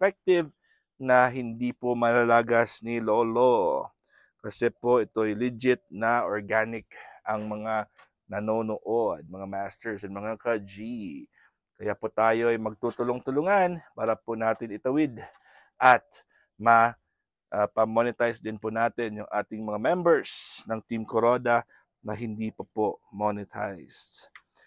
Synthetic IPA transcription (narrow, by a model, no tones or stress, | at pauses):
fɛk̚t̪ɪv | nɐɦɪnd̪ipomɐlalaɡɐsnɪloːlo | kɐsɛpo̞ʔɛt̪o̞ʔɐjlɪd͡ʒɪt̪̚nɐʔoɹɡanɪkʔɐŋmɐŋa | nɐnoːnoʔod̪̚mɐŋamast̪ɛɹsɐnmɐŋakɐd͡ʒi | kɐjapot̪aːjo̞ɐjmɐɡ̚t̪ut̪ʊloŋt̪ʊlʊŋanpaːɾɐponaːt̪ɪnɪt̪ɐwɪd̪ | ʔɐt̪̚ | mɐ | ʔpɐmːonɪt̪ajsd̪ɪnpʊnaːt̪ɪnjʊŋʔaːt̪ɪŋmɐŋamɛmbɛɹsnɐŋt̪imkoɾod̪ɐ | nɐɦɪnd̪iːpɐpomonɪt̪ʰa̰jst̪